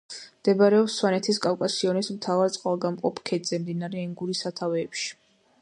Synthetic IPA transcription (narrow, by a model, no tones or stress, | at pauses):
md̪̥ɛbaɾɛɔpswanɛt̪ʰiskʼafkʼasiɔnismt̪ʰavaɾt̪sʼqʼalˠɡamqʼɔpʰkʰɛd̪z̥ɛmd̪inaɾɛːŋɡuɾisat̪ʰavɛːpʃi̥